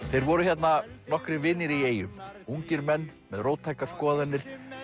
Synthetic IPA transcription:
θejɾvɔɾʏçjɛt̪nanɔhkɾɪvɪːnːɪɾieːjʏmuɲcɪɾmɛnːmɛðroːwt̪ʰːajkaskɔːðanːɪɾ̥

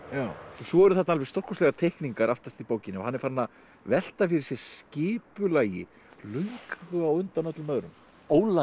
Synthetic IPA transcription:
jaːwsvɔɛɾʏθat̪alvɛst̪ɔhkɔslɛɣat̪ʰejhkniŋkaɾaft̪ast̪ipoːwcɪnɪɔ̰hanːɛɾfaɾnːa | vɛl̥t̪afɪɾɪ̥ɾsjɛ̥sscɪːpʏlaːjɪ | lœjŋkɣʏawʏnt̪anɔt̪lʏmœðɾʏm | oːwla

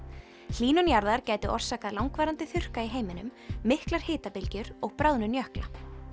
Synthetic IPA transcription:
l̥iːnʏnjaɾðaɾcaːjt̪ʏʔɔr̥saːkaðlawŋkvaːɾant̪ɪθʏr̥kaiɦeːjmɪnʏmːɪhklaɾ̥heːt̪apɪlcʏɾɔɣpɾawðnʏnjœhkla

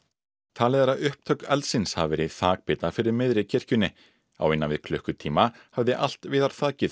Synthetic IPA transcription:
t̪ʰaːlɛðaɾaʏhpt̪ʰœɥkɛlsɪnsha̰vvɪɾiðθaːk̚pɪːt̪afɪɾɪɾmɪðɾɪcʰɛr̥cʏnːɪ | a̰wɪnːavɪðkʰlœhkʏt̪ʰiːmahavðɪʔal̥t̪vɪðaɾ̥θaːcɪð

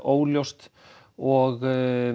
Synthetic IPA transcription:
ʔoːwljost̪ | ɔɣ

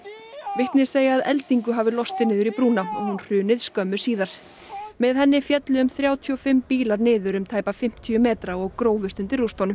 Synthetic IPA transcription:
vɪht̪nɪ̥seːjaaðɛlt̪iŋkʏɦaːvɪlɔst̪ɪnɪːðʏɾipɾuːnaɔɣhunr̥ʏːnɪðskœmːʏ̥siːðaɾ̥ | mɛðhɛnːɪfjɛt̪lɪʏmθɾjaːwt̪ʰiɔfɪmpiːlaɾnɪːðʏɾʏmt̪ʰaːjpafɪm̥t̪ʰiʏmɛːt̪ɾaɔɣkɾoːwvʏst̪ʏnt̪ɪrust̪awnʏm

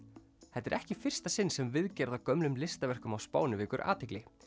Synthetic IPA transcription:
θɛt̪ːɛɾʔɛhcɪfɪr̥st̪asɪnːsɛmvɪðcɛɾðawkœmlʏmlɪst̪avɛr̥kʏmawspaːwnɪvɪːkʏɾʔa̰ːt̪ʰɪklɪ

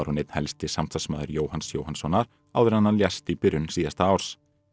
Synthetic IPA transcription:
aɾhunɪt̪nhɛlst̪ɪsamt̪ʰasmaːðʏɾjoːwhansjowhansɔnːaɾ | a̰ːwðɪɾanːaljɛst̪ipɪɾʏnsiːðast̪aawɾ̥s

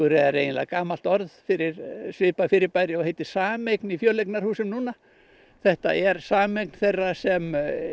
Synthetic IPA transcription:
ʏɾɛðaɾejnɪnla̰ɣkaːmalt̪ɔɾðfɪɾɪɾsvɪːpafɪːɾɪɾpaːjɾɪɔɣhejt̪ɪ̥saːmejknifjœːlejknaɾ̥huːsɪmnuːna | θɛht̪a̰ʔɛɾsaːmejkn̥θejrːasɛm

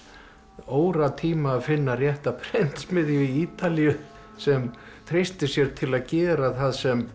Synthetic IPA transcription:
oːwɾat̪ʰiːmaːðfɪnːarjɛht̪apʰɾɛnt̪smɪðjʏiiːt̪alijʏ | sɛmt̪ʰɾejst̪ɪsjɛɾ̥t̪ʰɪlaðcɛːɾaθaðsɛm

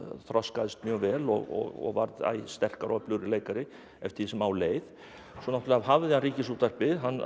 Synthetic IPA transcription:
θɾɔskaðɪst̪mjœːɣvɛːlɔ̰ɣɔ̰ɣɔ̰ɣvaɾða̰jst̪ɛr̥kaɾɔplʏɾɪleːjkaɾɪ | ɛft̪ʰɪsɛmawleːjð̥ | sɔnaht̪ʏlaavɦavðɪhanɾiːcɪsuːt̪ar̥pɪðɦanː

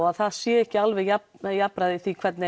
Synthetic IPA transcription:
aðθaðsjɛːɛhcɪalvɛɣjapjapɾaðɪθikʰv̥ɛɾt̪nɪ

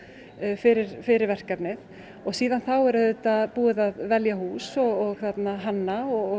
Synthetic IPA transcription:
fɪɾɪɾ̥fɪɾɪɾvɛr̥kapnɪθ | ɔɣsiːðanθawɛɾʏθɛt̪ːapuːɪðaðvɛljahuːsɔɣɔɣθat̪naɦanːaɔ

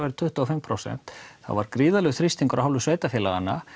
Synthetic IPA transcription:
vaɾʏt̪ʰʏht̪ʏɔfɪmpʰɾowsɛ̰n̥t̪θa̰vaɾkɾiːðalœɣθɾist̪iŋkʏɾaɦawlvʏsveːjt̪afjɛːlaɣa̰nːa̰

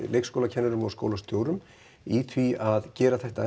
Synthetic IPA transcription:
leːjkskowlacʰɛnːɛɾʏmɔɣsko̰wlast̪jowɾʏm | iθʰviaðcɛːɾaθɛht̪a

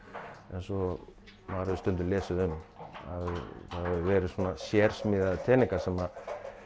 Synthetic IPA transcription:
ɛnsɔ | maɾaðʏst̪ʏnt̪ʏlɛːsʏðʏma̰ðθaðaðʏʋɛːɾɪsɔːnasjɛːɾ̥smɪːðat̪ʰɛːnɪŋkasɛma

